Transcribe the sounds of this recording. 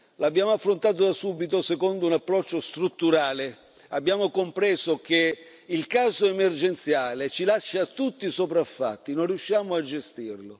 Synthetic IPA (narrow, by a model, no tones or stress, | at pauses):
labːjaːmoafːɾont̪aːt̪̬od̪asuːbit̪osɛkond̪ʊunapːɾɔt͡ʃːost̪ɾut̪ːuɾaːle | abːjaːmokompɾɛːzok̟e | ilkaːzoɛmerd͡ʒɛnt̪sjaːlet͡ʃilaʃːat̪ːut̪ːisopɾafːa̰t̪ːinonriuʃːjaːmʊad͡ʒest̪irlʊ